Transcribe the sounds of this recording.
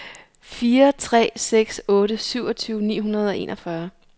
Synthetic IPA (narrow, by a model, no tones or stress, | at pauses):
fiːɐt͡sʰʁɛ̰ːseɡ̥sɔ̽ːɾəsyʊɒ̽t͡sʰyːʊnḭːɦunɐð̞ˠɒ̽e̝̰nʔɒfɶɐ